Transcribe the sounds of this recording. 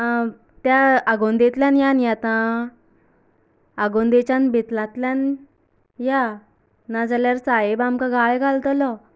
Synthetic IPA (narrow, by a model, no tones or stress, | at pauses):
a | t̪jaaɡond̪et̪ljanjanjat̪ã | əɡond̪et͡ɕãnbʱit̪lãt̪ljan | ja | nad͡zaljaɾsajebamkãɡʱaɭɡʱalt̪ɔlɔ